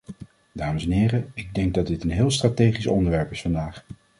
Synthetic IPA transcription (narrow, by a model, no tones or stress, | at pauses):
daːməsɛnɦɪːrəɪɡ̚dɛŋɡ̚dɑdɪtənɦɪːlˠstraːtejχisɔ̰ndəɹʋɛɹpɪsfɑndaːχ